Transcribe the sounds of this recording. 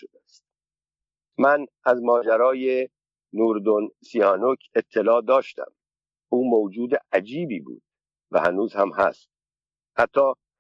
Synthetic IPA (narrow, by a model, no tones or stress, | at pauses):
od̪æst̪̚ | mæn | æzmɒːd͡ʒæɾɒːje | nuːɾd̪onsihɒːnokʰe̞t̪ʰːe̞lɒːd̪ɒːʃt̪æ̰m | ʔuːmowd͡ʒuːd̪eʔæd͡ʒiːbiːbṵːd̪̥̚ | væ̰hænuːzhæmhæ̰st̪̚ | hæt̪ʰːɒː